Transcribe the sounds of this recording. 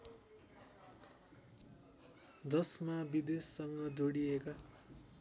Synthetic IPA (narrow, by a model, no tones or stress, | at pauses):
d͡zʌsmabid̪esːʌŋɡʌd͡zoɽieka